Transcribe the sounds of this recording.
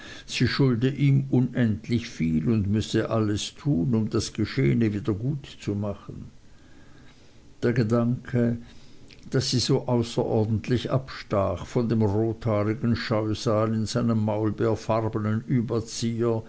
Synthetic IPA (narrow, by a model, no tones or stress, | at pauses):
z̥iːʃʊldəʔiːmʊnʔɛntlɪçfiːlʊndmʏsəʔaləstʰuːnʊmd̥asɡ̥əʃeːənəviːdɐɡuːtt͡sumaχən̩ | d̥eːɐɡədaŋkʰə | d̥asːiːzoːʔaʊsɐʔɔɐdn̩tʰlɪça̰pʃtaːχfɔndeːmʁoːtʰhaːʁɪɡn̩ʃaʏzaːlɪnzaɪnəmːaʊlbeːɐfaʁbənənyːbɐt͡siːɐ